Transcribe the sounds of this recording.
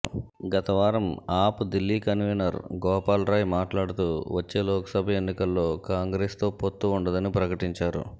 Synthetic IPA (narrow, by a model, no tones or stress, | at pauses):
ɡɐt̪ɐʋaːɾɐmaːpud̪ilːiːkɐnʋinɐɾɡɔːpaːlɾaːjmaːʈlaːɽut̪uːʋɐt͡ʃːe̞ːlɔːkɐ̥sɐbʱɐenːikɐlːo̞ːkaːŋɡɾeːst̪o̞ːpot̪ːuːɳɖɐd̪ɐnipɾɐkɐʈiɲt͡ʃaːɾṵ